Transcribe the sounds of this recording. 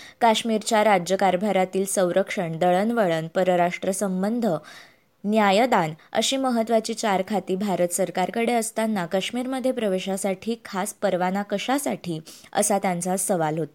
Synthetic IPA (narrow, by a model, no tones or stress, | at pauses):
kaɕmiɾt͡ɕjaɾad͡ʑjəkaɾbʱaɾat̪iːlsə̃w̃ɾəkʂəɳd̪əɭənʋəɭənpəɾəɾaʂʈɾəsəmbənd̪ʱə | njajəd̪anə̰ɕiːməɦət̪ʋat͡ɕiːt͡ɕaɾkʰat̪iːbʱaɾət̪səɾkaɾkəɽeəst̪anːakaɕmiːɾməd̪ʱːjepɾəʋeɕasaʈʰiːkʰaspəɾʋanakəɕasaʈʰiːə̰sat̪jant͡sasəʋalɦot̪a